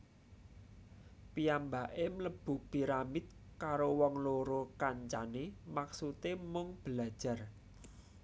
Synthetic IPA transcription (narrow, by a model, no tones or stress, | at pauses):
piambaʔemləb̥ṳpiɾamit̪̚kaɾowɔŋloɾokaɲt͡ʃanemaksut̪emʊŋb̥əlḁʒ̥a̤r